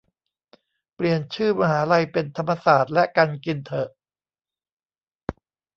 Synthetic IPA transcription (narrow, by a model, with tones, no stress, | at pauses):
pli˨˩ənt͡ɕʰɯː˥˩maː˧haː˩˦ɾa˧jpe˧nt̪ʰa˧mːa˧saː˨˩t̪̚lɛ˦˥ʔkaː˧nki˧nt̪ʰɤ˨˩ʔ